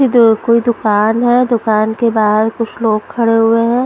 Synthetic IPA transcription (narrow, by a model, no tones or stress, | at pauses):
ikoːid̪ʊkaːnɦɛd̪ʊkaːnkebaːd̪kʊt͡ʃʰloːɡkʰɐɽeɦʊeɦɛ̃ː